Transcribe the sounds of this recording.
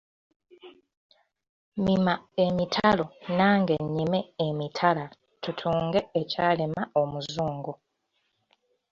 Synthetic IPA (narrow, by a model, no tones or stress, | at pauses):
mimae̞mitʰalo̞naːŋɡe̞ɲːimeːmitʰala | tutʰuːŋɡeːcaːlemaomuzzuːŋɡu